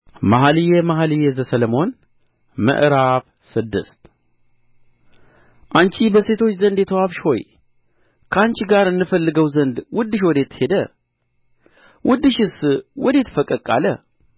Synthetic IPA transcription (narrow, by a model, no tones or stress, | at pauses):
maɦalijɛmaɦalijɛzəsələmo̞n | mə̰ʔɾaβ | sɨd̪ːɨ̰st̪ | ʔant͡ʃibəse̞t̪ʰo̞t͡ʃːzənd̪jɛt̪ʰəwaβʃho̞j | kʰəant͡ʃɡaɾɨnːɨfəlːɨɡəwzənd̪wʊd̪ːɨʃ̬wɔd̪et̪ʰːhe̞d̪ə | wʔʊd̪ːɨʃɪswɔd̪et̪ʰːfəkʼːəkʼːa̰lə̰